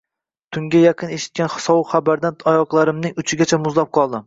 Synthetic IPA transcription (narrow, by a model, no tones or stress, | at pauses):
t̪ʰʊŋɡʲajɑqʰɨneʃɪ̥t̪̚kʲanχɨ̥sɒχabaɾd̪anɒjɒqlˠaɾɪmnɪŋʊt͡ʃʰɪɡʲat͡ʃʰamʊzlap̚qʰɒlˠd̪ɪ